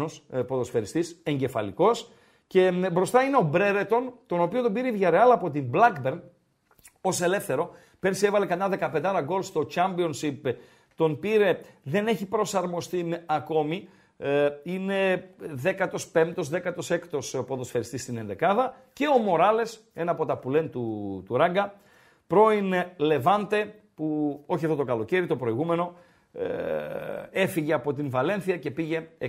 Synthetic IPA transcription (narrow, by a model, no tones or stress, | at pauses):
ospo̞ðo̞sfe̞ɾist̪ise̞ɲɟe̞fɐ̰liko̞s | ce̞bɾo̞st̪ɐine̞o̞bɾe̞ɾet̪o̞nt̪o̞no̞piot̪obiɾeivʝɐɾeɐlɐːpo̞t̪imblɐkbe̞ɾn | o̞se̞le̞fθe̞ɾo̞ | pe̞ɾsievɐle̞kɐɲːɐðe̞kɐpe̞nd̪ɐɾɐɡo̞lst̪o̞t͡ʃɐmbio̞nsip | t̪o̞npiɾe̞ðe̞ne̞çipɾo̞sɐɾmo̞st̪imɐko̞mi | ine̞ðe̞kɐt̪o̞spe̞mt̪o̞zðe̞kɐt̪o̞se̞kt̪o̞spoðo̞sfeɾist̪ist̪ine̞nd̪e̞kɐðɐ | ce̞o̞mo̞ɾɐle̞s | e̞nɐːpo̞t̪ɐpule̞nt̪ut̪uɾɐɡɐ | pɾo̞inele̞vɐnt̪e̞ | puo̞çiɐfðo̞t̪o̞kɐlo̞ce̞ɾit̪o̞pɾo̞iɣume̞no̞ | e̞fiʝe̞ɐpo̞t̪invɐle̞nθiɐce̞piʝe̞